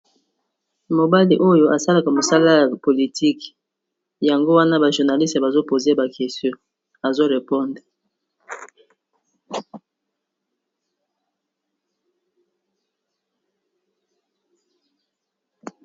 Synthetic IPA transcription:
mo˨ba˦li˨ʔo˦jo˦ʔa˨sa˦la˨ka˨mo˨sa˦la˦ja˨po˨li˨ti˦k | ja˨ŋɡo˦wa˦na˦ba˨ʒu˨ʁna˨li˦ste˨ba˨zo˦po˨ze˦ba˨ke˨stjo˦ | a˨zo˦ʁe˨pɔ˦nde˨

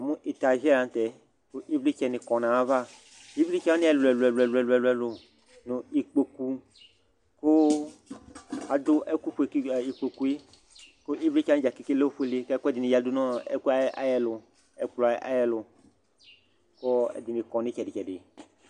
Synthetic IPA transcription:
a˨mũ˦ʔi˨t̪a˨ʒɛ˦ɾã˨n˦t̪ɛ˨ | ko˦ʔi˦vli˦t͡ʃɛ˨nɪ˨kɔ̃˨nã˨a˦va˦ | i˦vli˦t͡ʃɛ˦a˦ni˦a˨lɛ˨lɛ˨lɛ˨lɛ˨lu˨ɛ˨lɛ˨lʊ˨ | nʊ̃˨i˨k͡po˨ku˨ | ko˦ | a˨d̪ʊ˦ʔɛ˦ku˦ɸu˨e˨ki˨k͡po˨ku˨i˦ | ko˦ʔi˦vli˦t͡ʃa˦ñ˦d͡ʒa˨ki˨ki˦le˦ɸu˦e˦le˦kɛ˦kɛ˦d̪ɪ˨nĩ˨ja˨˦du˦nɔ̃˦ɛ̰˦ku˦a̰˦jɛ˦lʊ˨ | ɛ˨k͡plɔ˨a˨˦a̰˦jɛ˦lʊ˨ | ko˦ɛ̰˦di˨ni˨kɔ̃˨nĩ˦t͡ʃɛ˨dɪ˨t͡ʃɛ˨dɪ˨

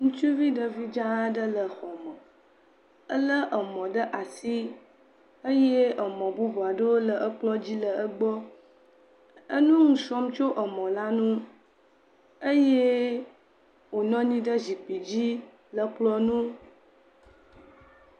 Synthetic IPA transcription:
ŋũ˦t͡ʃu˦vi˦ɖə˨vi˦d͡ʒa˦ə˦ɖə˦lə˨xɔ˨mə̃˨ | ə˦lə˦ʔə˨mɔ̃˨ɖə˦ʔa˨si˦ | ə˦je˦ə˨mɔ̃˨bu˦vɔ˨a˨ɖə˦wo˦lə˨ʔə˦k͡plɔ˦d͡ʑi˦lə˨ʔə˦ɡ͡bɔ˦ | ə˦nũ˦ŋũ˨sɔ˦mt͡ʃo˦ʔə˨mɔ̃˨la˦nũ˦ | ə˦je˦ | wo˨nɔ̃˦ɲĩ˦ɖə˦zi˨pi˨d͡ʑi˦ | lə˨k͡plɔ˦nũ˦

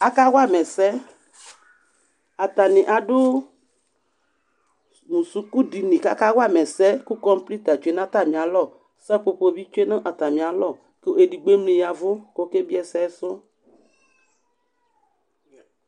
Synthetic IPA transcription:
a˦ka˦wa˦mɛ˨sɛ˦ | a˨t̪a˨nɪ̃˨ʔa˨ɖʊ˦ | mũ˨su˦ku˦di˨nĩ˨ka̰˦ka˦wa˦mɛ˨sɛ˦ku˦kɔ˦m˦pli˦t̪a˨t͡ʃe˨˦n˦ã˦t̪a˦˨mĩ˨a˨lɔ˦˨ | sɛ˦k͡po˦po˦˨bi˦t͡ʃe˦nə̃˦ʔa˨t̪a˨mĩ˨a˨lɔ˦˨ | ke˦e˨di˨ɡ͡be˦mlĩ˨ja˨vʊ˦ko˦ke˦bi˦ɛ˨sɛ˦sʊ˦

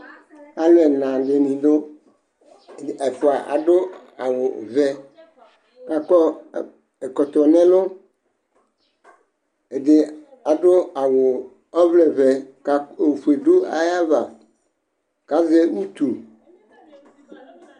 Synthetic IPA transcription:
a˦lɛ˨nã˨ɡe˨nĩ˨d̪o˦˨ | a˨fʊ˨a˨ʔa̰˨ɖʊ˦a˨wʊ˨vɛ˦ | ka˨kɔ˦˨ | e˨kɔ˨t̪ɔ˨nɛ̃˦lʊ˦ | e˨dɪ˨ | a˨ɖʊ˦a˨wʊ˨ | ɔ˦vlɛ˨vɛ˨ka˨e˨ɸe˨do˦a̰˨ja˦va˨ | ka˦ze˦wu˦t̪u˨

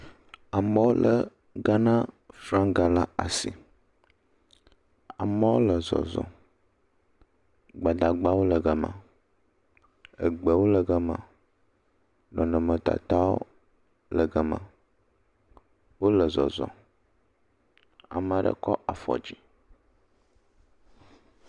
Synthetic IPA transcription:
a˨mɔ̃˦wo˦lə˦ | ɡa˦nã˦ | fɾã˦ŋɡa˨la˦a˨si˨ | a˨mã˦wo˦lə˨zɔ̰˨zɔ̰˨ | ɡ͡ba˨d̪a˨ɡ͡ba˦wo˦lə˨ɡə˨mã̰˨ | ə˨ɡ͡bə˨wo˦lə˨ɡə˦mã̰˨ | nɔ̃˨nə̃˨mə̃˨t̪a̰˨t̪a˦wo̰˦ | lə˨ɡə˨mã̰˨ | wo˦lə˨zɔ˨zɔ̰˨ | a̰˨mə̃˨ɖə̰˦kɔ˦ʔa˨fɔ̰˨d͡ʑi˦

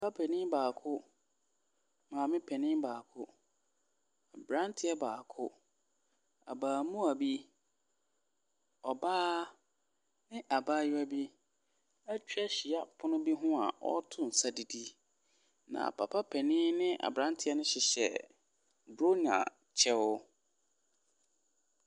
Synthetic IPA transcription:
pʰa˦pʰɛ˨nɪ̃˦baː˨kʰʊ˦ | mãː˨mɪ̃˦pʰɛ˨nɪ̃ː˦baː˨kʰʊ˦ | a˨bɾã˦ntʰɪ˨˦ɛ˦baː˨kʰʊ˦ | a̰˨baː˨mũ˦a˨bi˦ | ɔ˨baː˦ | nɪ̃˦ʔa˨baː˦jʊ˦a˦bi˦ | æ˦t͡ɕᶣɥa˦ɕi˨a˦pʰʊ˦nʊ̃˦bi˦ɦʊ̃˦a˨ʔɔ̰˦tʰʊ̃˦n̩˨sa˦di˨di˦ | nã̰˨pʰa˨pʰa˦pʰɛ˨nɪ̃˦nɪ̃˦ʔa̰˨bɾã˦ntʰɪ˦ɛ˦nʊ̃˦ɕɪ˨ɕɛ̰˨ | bɾo˦nã̰˨ | t͡ɕʰɛ˦wʊ˦

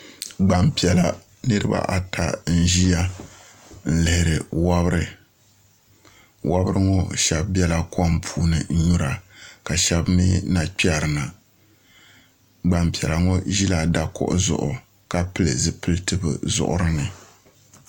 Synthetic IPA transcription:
ɡ͡ba˨mpi˨ɛ˨la˨ | nɨ˦ɾɨ˦ba̰˦ʔa˨tʰa˨n̩˦ʒi˦ja˦ | n̩˦lɪ˨˦hɪ˨ɾɨ˨wa˦bɾɨ˦˨ | wa˦bɨ˦ɾɨ˦ŋɔ˦ʃɛ˨bbjɛ˦la˦kʰɔ˦m˦pʰuː˦nɨ˨˦ɲu˦ɾa˨ka˨ʃɛ˦bmi˦na˨k͡pi˦a˦˨ɾɨ˨na˨ | ɡ͡ba˨mpi˨ɛ˨la˨ŋɔ˦ʒi˦la˨da˨kɔ̰˦ʔʊ˦zʊ̰˨ʔʊ˨ | ka˦pɨ˦lɨ˨zɨ˨pɨ˦lɨ˦tɨ˦bɨ̰˨zʊ̰˨ʔʊ̰˦ɾɨ˦nɨ˨

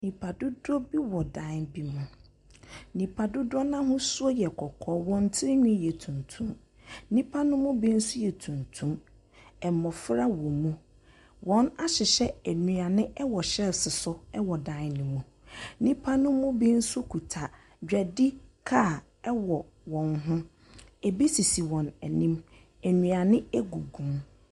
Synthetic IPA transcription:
nĩ˨pʰa˨dʊ˦dɔ˦bi˦wɔ˨dã˨˦nbi˦mũ˨ | nĩ˨pʰa˨dʊ˦dʊ˦ɔ˦nã˦ɦʊ̃˦sʊ˦ɔ˦jɛ˨kʰɔ˨kʰɔː˦wɔ̃˨n˦tʰɪ˦ɾɪ˦ɲᶣʊ̃˦jɛ˨tʰũ˨ntʰũ˦m | nĩ˦pʰa˦nʊ̃˦mʊ̃˦bi˦n̩˦sʊ˦jɛ˨tʰũ˨ntʰũ˦m | ɛ˨mɔ˨fɾa˦wɔ̃˨mũ˦ | wɔ̃˨˦na˦ɕɪ˨ɕɛ˦æ˨nũ˨a˨nɪ̃˦ɛ˦wɔ˨ɕɛ˦lsɪ˨sʊ˦ɛ˦wɔ˨dã˨˦n˨nɪ̃˨mũ˨ | nĩ˦pʰa˦nʊ̃˦mʊ̃˦bĩ˦n̩˦sʊ˦kʰu˨tʰa˨ | d͡ʑᶣɛ˨dɪ˦kʰa˦˨ | ɛ˦wɔ˨ | wɔ̃˨nɦʊ̃˦ | ɛ˨bi˦si˨si˨wɔ̃˨nɛ˨nĩ˦m | æ˨nũ˨a˨nɪ̃˦ɛ˦ɡu˨ɡũ˨m

